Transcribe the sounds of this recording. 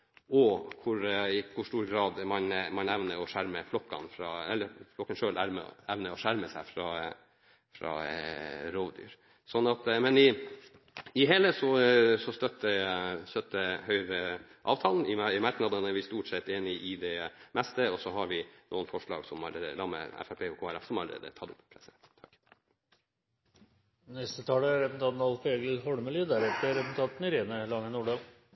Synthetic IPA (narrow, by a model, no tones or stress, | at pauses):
ɔkʰʊɾɪkʰʊʂʈuːɾɡɾɑːd̪mɑnmɑnɛʋnəɾɔʂæɾməflɔkːɑ̰nfɾɑːɛlːəɾflɔkːənʂøːlæːɾmɛ̰ɛʋnəɔʂæɾməsæɪfɾɑ | fɾɑ̰ː | ɾoːʋd̪y̰ːɾ | sɔnːɑt̪mɛnɪ | ɪɦeːləsɔsɔst̪œt̪ːəsœt̪ːəhœʏɾə | ʔɑ̰ːʋt̪ʰɑːln̩ɪmɑɾknɑd̪ənæɾʋɪst̪uːʈsɛt̪ːeːnɪʔɪd̪ɛmɛst̪əɔsɔɦɑɾʋɪnʔuːənfɔʂɭɑ̰ːɡsɔmɑ̰ləḛəlɑmə̰ɛ̰fæpʰeːɔkʰoːæɾɛfsɔmɑləɾḛːd̪ə̰t̪ʰɑt̪ːʊ̰pːpʰɾɛsɛnt̪t̪ʰɑ̥kː | nɛst̪ət̪ʰɑːləɾɛpn̩t̪ʰɑːt̪nɑlfeːɡəlhɔɽməlid̪æɾɛt̪əɾɛpn̩t̪ʰɑt̪nɪɾeːnəlɑŋənuːɖɑl